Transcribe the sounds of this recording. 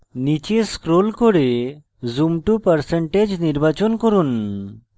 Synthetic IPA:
nit͡ʃeskɾolkoɽe | zumʈupəɾseɳʈed͡ʒniɾbat͡ʃɔnkoɾun

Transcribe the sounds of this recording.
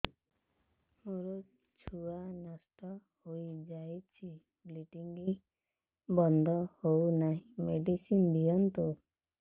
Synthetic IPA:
muɾu | t͡ʃʰuanasʈɔhojd͡ʒajt͡ʃʰi | bliʈiŋɡi | bɔnd̪ʱɔhownaɦĩmeɖisind̪ijɔnt̪u

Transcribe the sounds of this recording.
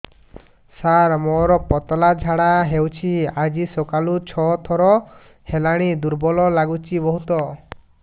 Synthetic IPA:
saɾmɔɾɔpɔt̪ɔlad͡ʒʱaɽaɦewt͡ʃʰiad͡ʒisokalut͡ʃʰɔt̪ʰɔɾɔ | helaɽ̃id̪uɾbɔlɔlaɡut͡ʃibɔɦut̪ɔ

